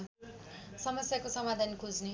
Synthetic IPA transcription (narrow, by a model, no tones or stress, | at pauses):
sʌmʌsjakosʌmad̪ʱankʰod͡zne